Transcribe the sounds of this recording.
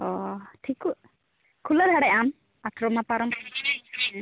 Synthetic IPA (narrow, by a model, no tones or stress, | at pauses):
ɔʈʰiku | kʰulad̪ʱaɽɛʔam | at̪ʰɾɔmapaɾɔm